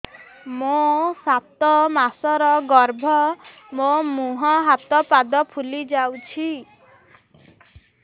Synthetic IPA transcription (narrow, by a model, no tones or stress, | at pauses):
mosat̪ɔmasɔɾɔɡɔɾbʱɔ | momuɦɔɦat̪ɔpad̪ɔpʰulid͡ʒawt͡ʃʰi